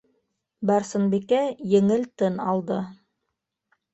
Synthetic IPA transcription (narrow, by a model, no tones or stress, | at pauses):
bæɾsɤ̆nbikæjɘ̆ŋɘlt̪ɘnɑlˠd̪ɤ